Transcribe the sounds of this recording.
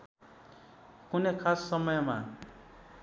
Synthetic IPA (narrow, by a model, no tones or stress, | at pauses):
kunekʰasːʌmʌjma